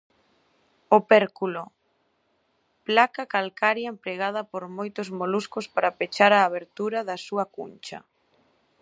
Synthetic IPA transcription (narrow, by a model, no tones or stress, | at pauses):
opɛɾkulo | plakakalkaɾjɐempɾeɣað̞ɐpoɾmojt̪ʊzmoluskospaɾapet͡ʃaɾaːβeɾt̪uɾɐðɐsuɐkṵnt͡ʃɐ̰